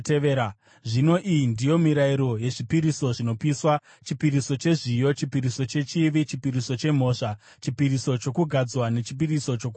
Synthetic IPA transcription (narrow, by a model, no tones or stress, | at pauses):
teea | ʐino̞ʔijindijo̞miɾaiɾo̞je̞ʐipiɾiso̞ʐino̞piswa | t͡ʃipiɾiso̞t͡ʃe̞ʐijo̞t͡ʃipiɾiso̞t͡ʃe̞t͡ʃiʋit͡ʃipiɾiso̞t͡ʃe̞m̤o̞ːʂa | t͡ʃipiɾiso̞t͡ʃo̞kuɡʱad͡zwane̞t͡ʃip̬iriso̞t͡ʃo̞k